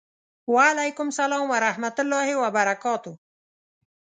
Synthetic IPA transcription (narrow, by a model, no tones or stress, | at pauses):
waalajkʊmsalɑːmwaɾahmat̪ʊlːɑhɪwabaɾakɑːt̪ʊ